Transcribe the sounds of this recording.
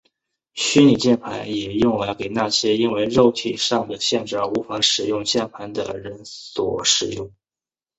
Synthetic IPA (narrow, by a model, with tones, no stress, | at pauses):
ɕy˥ni˨˩t͡ɕjɛ˥˩npʰa˧˥ɪnjɛ˨˩jʊ˥˩ŋla˧˥ɪke˨˩ɪna˥˩ɕjɛ˥i˥nwe˥˧ɪɻo˥˧ʊt̪ʰi˥˩ʂɑ˥˩ŋd̪ə˩ɕjɛ˥˧nʈ͡ʂɻ̩˥˩ə˧˥˩u˧˥fa˧˥ʂɻ̩˨˩jʊ˥˧ŋt͡ɕjɛ˥˩npʰa˧˥nd̪ə̰˨ɻə˧˥nswɔ̰˨˩˦ʂɻ̩˨˩jʊ˥˩ŋ